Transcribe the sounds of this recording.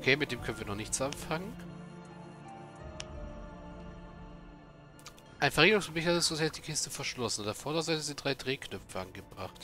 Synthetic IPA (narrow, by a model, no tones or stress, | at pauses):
ʔokʰeːmɪt̚d̥eːmkʰœnən̩viːɐnɔχnɪçtt͡sʔamfaŋən | ʔaɪnfɛɐʁeːɡəʁʊŋsɔbɪçaɪsz̥ozɛːd̥iːkʰɪstəfɛɐʃlɔsn̩dafɔːɐdɐzatz̥iːdʁaɪdʁeːkʰnœpfəʔanɡəbʁaχt